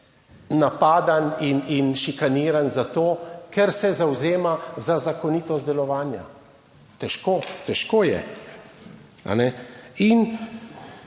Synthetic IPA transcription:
napaːd̪anininʃikaniːɾanzat̪oːkɛɾsɛzawzeːmazazakɔniːt̪ɔst̪d̪ɛlɔʋaːnja̰ | t̪ɛʃkoːt̪ɛʃkoːjɛ̰ | a̰nɛin

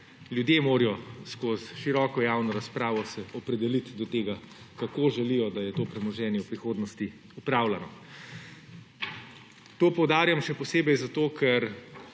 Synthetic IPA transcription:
ljud̪jemoːɾijɔskoːsʃiɾɔːkɔjaːwnɔɾaspɾaːʋɔsɛɔpɾɛd̪ɛlit̪d̪ɔt̪eːɡa | kakoːʒɛlijɔd̪ajɛt̪oːpɾɛmɔʒɛːnjɛwpɾixoːd̪nɔst̪i | upɾaːwlanɔ | t̪oːpɔwd̪aːɾjamʃɛpɔseːbɛjzat̪oːkʰɛɾ

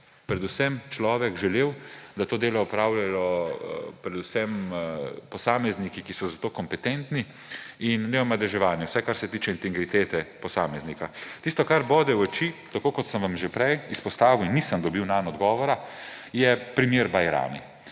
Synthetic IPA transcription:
pɾɛd̪usɛmt͡ʃlɔːʋɛkʒɛleːwd̪at̪oːd̪eːlɔɔpɾaːwlalɔ | pɾɛd̪usɛm | pɔsaːmɛznikikisɔzat̪oːkɔmpɛt̪ent̪ni | inːɛɔmad̪ɛʒɛʋaːnjɛwsɛkaɾsɛt̪iːt͡ʃɛint̪ɛɡɾit̪eːt̪ɛpɔsaːmɛznikat̪ist̪ɔkaɾbɔːd̪ɛwɔt͡ʃit̪akoːkɔt̪səmʋamʒepɾɛjispɔst̪aːʋiwinːisəmd̪ɔbiwnanɔd̪ɡɔːʋɔɾajɛpɾimjeːɾbajɾa̰ːmḭ

